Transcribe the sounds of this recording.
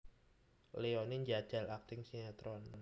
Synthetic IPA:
leɔniɲd͡ʒḁd͡ʒ̥a̤lak̚t̪ɪŋsinat̪ɾɔn

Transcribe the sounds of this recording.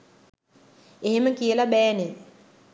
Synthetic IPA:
eɦeməkijəlabɛːne

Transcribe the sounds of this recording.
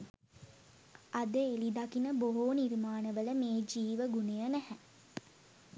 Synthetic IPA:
ad̪əelid̪akinəboɦoːnirmaːnəʋələmeːd͡ʒiːʋəɡunejənæhɛ

